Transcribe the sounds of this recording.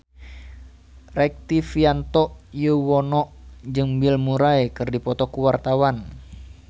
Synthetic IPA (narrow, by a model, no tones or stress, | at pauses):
rɛk̚t̪ifiant̪ɔʔjəwɔnɔʔd͡ʒɨŋbilmuɾaekɨrdipɔt̪ɔkuwart̪awan